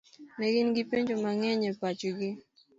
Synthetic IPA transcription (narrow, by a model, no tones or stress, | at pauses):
mɛɡɪnɡɪpeɲd͡ʒomaŋɛɲɛpat͡ʃɡɪ